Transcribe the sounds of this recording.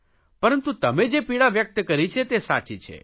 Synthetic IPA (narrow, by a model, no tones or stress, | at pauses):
pəɾənt̪ũt̪əmed͡ʒepiɽaʋjək̚t̪əkəɾit͡ʃʰet̪esa̰t͡ʃit͡ʃʰḛ